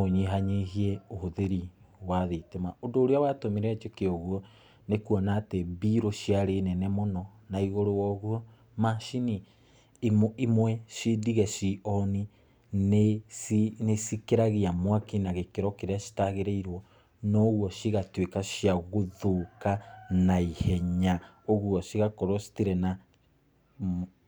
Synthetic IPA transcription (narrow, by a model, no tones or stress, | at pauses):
oɲiɦaɲeɦiɛohoðeɾi | waðetemaondoːɾeawatomiɾɛat͡ʃekeɔɣwɔ | nekuɔnaːteβiɾoʃiaɾenɛnɛmonɔ | naiɣoɾowɔɣuɔ | maʃini | mimwɛʃidiɣɛʃiɔni | neinesikeɾaɣiamwakinaɣekeɾɔkeɾeaʃi̥taɣeɾeiɾwɔ | nɔɣwɔʃiɣatwekaʃiaɣoðokanaihɛɲa | oɣwɔʃiɣakoɾoɔsi̥tiɾɛna